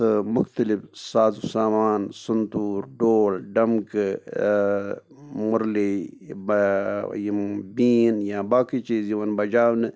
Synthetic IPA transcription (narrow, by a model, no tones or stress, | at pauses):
ɨmʊxt̪əlifsaːzusaːmaːnsʊnt̪uːɾɖoːlɖɐmk | mʊɾlib | jibiːnjãːbaːkit͡ʃiːziʋɐnbɐd͡ʒaːwnɨ